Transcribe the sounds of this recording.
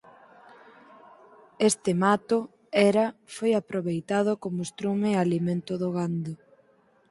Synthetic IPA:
est̪ɪmat̪ʊ | ɛɾɐfojapɾoβejt̪aðokomost̪ɾumealiment̪ʊðʊɣand̪ʊ

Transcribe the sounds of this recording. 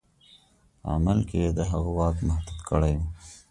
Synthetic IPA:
a̰malked̪əɦɐɣwɑːkmɐhd̪ud̪kəɽeju

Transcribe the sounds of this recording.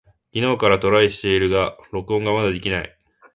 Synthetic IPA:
ɡʲino̞ːkaɾat̪o̞ɾaiɕi̥t̪e̞iɾɯ̟ɡaɾo̞kɯ̟õ̞ŋɡamad̪ad̪e̞kʲinaḭ

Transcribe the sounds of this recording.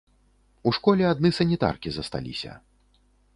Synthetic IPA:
uʂkɔlʲɛad̪nɨsɐnʲit̪a̰rkʲizɐst̪a̰lʲḭsʲɐ̰

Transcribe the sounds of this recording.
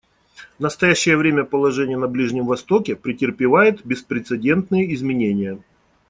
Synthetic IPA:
nəst̪ɐjæɕːɪjəvɾʲemʲəpəlˠɐʐɛnʲɪjənɐblʲiʐnʲɪmvɐst̪o̞kʲɪpɾʲɪtʲɪrpʲɪvajɪt̪bʲɪspɾʲɪt̪sɨdʲe̞nt̪nɨjəɪzmʲɪnʲenʲɪjə

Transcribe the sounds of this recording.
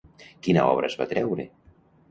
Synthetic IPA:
kinəɔ̰βɾəzβat̪ɾɛwɾe

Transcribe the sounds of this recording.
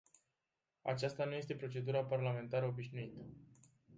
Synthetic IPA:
a̰t͡ʃast̪anuje̞s̬t̪e̞pɾo̞t͡ʃe̞d̪uɾaparlame̞nt̪aɾəo̞biʃnuit̪ə

